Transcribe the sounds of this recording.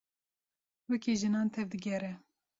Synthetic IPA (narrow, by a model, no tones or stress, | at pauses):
wɛkiːʒɨnɑːnt̪ʰɛvd̪ɨɡɛɾɛ